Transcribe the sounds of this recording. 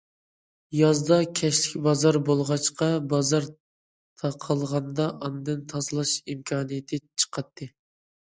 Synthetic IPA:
jɑzd̪ɑkʲʰɛʃlɪkʲbɑzɑɾbolˠʁɑt͡ʃqɑbɑzɑɾ | t̪ʰɑqʰɑlˠʁɑnd̪ɑʔɑnɨd̪ɨnt̪ʰɑzɨlˠɑʃimkʰɑːnɨjɪt̪ʰɨt͡ʃʰə̥qʰɑt̪ʰːɨ

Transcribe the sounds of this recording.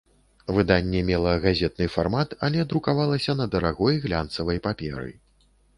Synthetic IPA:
vɨd̪anʲːɛmʲɛlˠɐɣazʲɛt̪̚nɨfarmat̪ɐ̰lʲɛd̪ɾukavalˠɐsʲɐnɐd̪ɐɾaɣɔjɣlʲant̪sɐvɐjpapʲɛ̰ɾɨ̰

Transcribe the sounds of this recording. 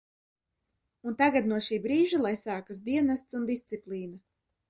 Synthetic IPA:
unt̪aɡat̪̚nuɔʃiːbɾiːʒalˠajsaːkasd̪iɛnast̪sund̪ist̪siplˠiːna

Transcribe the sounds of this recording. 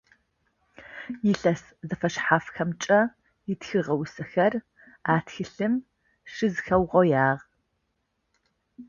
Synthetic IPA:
jɪɬɐs | zɐfɐʃħaːfxɐmt͡ʃʼɐ | jɪtxɨʁɐwsɐxɐr | aːtxɨɬɨm | ʂɨzxɐwʁɔjaːʁ

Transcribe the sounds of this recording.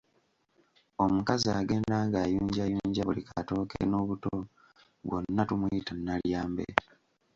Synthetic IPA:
o̞mukazaːɡe̞ːndaːŋɡaːjuːɲɟajuːɲɟaβulikʰato̞ːkḛno̞ːβuto | βwo̰nːatumujitanːaljaːmbḛ

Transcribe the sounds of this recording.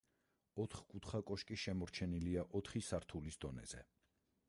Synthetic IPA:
ɔt̪ʰχkʼut̪ʰχakʼɔʃkʼiʃɛmɔɾt͡ʃʰɛniliaʔɔt̪ʰχisaɾt̪ʰulisd̪ɔnɛ̰z̥ɛ̰

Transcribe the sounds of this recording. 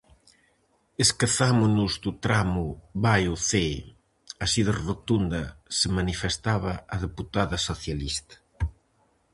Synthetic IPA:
eskeθamʊnʊzd̪ut̪ɾamʊβajuθe | asiðerot̪und̪ɐsemanifest̪aβɐɐðeput̪aðɐsoθjalist̪ɐ̥

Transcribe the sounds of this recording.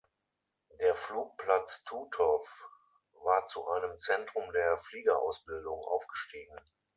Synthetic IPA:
deːɐfluːk̚pl̥at͡stʰuːtʰɔf | vaːɐt͡suʔaɪnəmt͡sɛntʁ̥ʊmdeːɐfliːɡɐʔa̰ʊsb̥ɪldʊŋʔa̰ʊfɡ̥əʃtiːɡŋ̩

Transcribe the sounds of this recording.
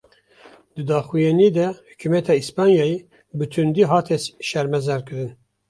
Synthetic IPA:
d̪̥ɨd̪ɑːxujɛniːd̪ɛhy̥cʰymɛt̪ʰɑːispɑːnjɑːje | bɨt̪ʰund̪iːɦɑːt̪ʰɛsʃɛɾmɛzɛɾkɨɾɨn

